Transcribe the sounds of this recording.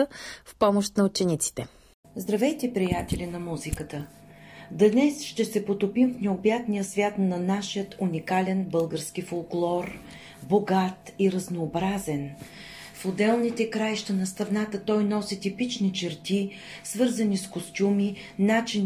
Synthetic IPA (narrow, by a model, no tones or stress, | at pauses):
əfpɔmoʃt̪nɐʊt͡ʃɛnit̪si̥t̪ɛ | zd̪ɾɐvɛjt̪ɛpɾijat̪ɛlʲinɐmuzikət̪ə | d̪nɛsʃt̪ɛsɛpot̪opimfnɛobjat̪nijəsvʲat̪nɐnaʃijət̪unikalʲɛnbɤlˠɡəɾskifolˠklˠɔɾ | boɡat̪iɾɐznoːbɾazɛn | fod̪ɛlˠnit̪ɛkɾajʃt̪ənɐst̪ɐvnat̪ət̪ɔjnɔsit̪ipit͡ʃnit͡ʃɛɾt̪i | svɤɾzɐniskost̪ʲumi | nat͡ʃin